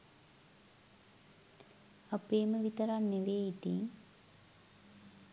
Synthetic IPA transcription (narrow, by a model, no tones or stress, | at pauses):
apeːməʋit̪əɾanːeʋeːit̪iŋ